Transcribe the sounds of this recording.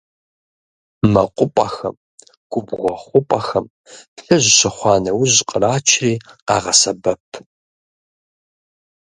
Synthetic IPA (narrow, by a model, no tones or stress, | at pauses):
mɐqʷʼʊpʷʼɐxɐ̰m | ɡ̥ʷʊbɣʷɔχʷʊpʼɐxɐm | pɬɐʑɕɐχʷɑːnɐwʊʑqʼəraːt͡ʃʰriːqɑ̰ːʁɐsɐbɐpʰ